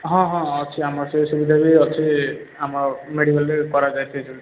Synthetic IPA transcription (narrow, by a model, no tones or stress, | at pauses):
ɦɔ̃ɦɔ̃ɔt͡ʃʰiamɔɾsesubid̪ʱabiɔt͡ʃʰi | amɔɾmeɽibalɾekɔɾad͡ʒajt̪ʰed͡ʒʰul